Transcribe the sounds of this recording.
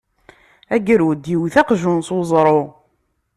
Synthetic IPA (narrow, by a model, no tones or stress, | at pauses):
æɡɾud̪jiwθæqʒunswzˤɾˤo